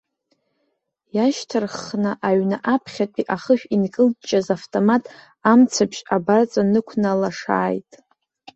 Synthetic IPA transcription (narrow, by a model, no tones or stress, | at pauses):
jaʃtʰɨrχnaʔaɥnaʔapʰχʲatʷʼiʔaχəʃᶣinkʼɨldt͡ʃʼazaftʼo̞matʼ | amt͡sʰapʃabart͡sʼanɨkʷʰnalaʂa̰ːjtʼ